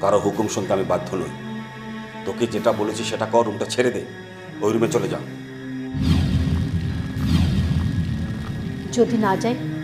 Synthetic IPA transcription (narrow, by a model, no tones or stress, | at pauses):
k̪aɾoɦukumʃɔnt̪amebad̪ʱːono̰j | t̪oked͡ʑeʈabolet͡ɕʰiʃeʈakɔɾumʈat͡ɕʰeɾed̪ej | ojɾumet͡ɕoled͡ʑa̰o | d͡ʑod̪inad͡ʑae